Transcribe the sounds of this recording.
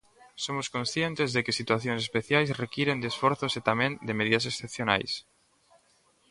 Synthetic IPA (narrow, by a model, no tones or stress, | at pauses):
somoskonsθjent̪ezðekesit̪waθjoŋs̬espeθjajsrekiɾend̪esfoɾθoset̪amẽnd̪emeðiðasesθepθjona̰js